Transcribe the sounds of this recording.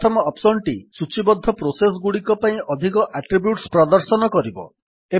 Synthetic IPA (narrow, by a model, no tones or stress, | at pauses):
t̪ʰɔmɔɔpsɔɳʈisut͡ʃibɔd̪ʱːɔpɾoses̬ɡuɽikɔpaĩʔɔd̪ʱikɔʔaʈɾibjuʈspɾɔd̪ɔɾsɔnɔkɔɾibɔ̰ | e